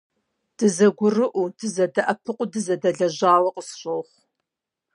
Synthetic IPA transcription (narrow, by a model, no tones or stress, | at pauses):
d̥ɨzɐɡʷʊrɨʔʷudɨzɐdɐʔɐpʰɨqʷʊdɨzɐdɐɮɐʑaːwɐqʼəsɕʼɐwχʷ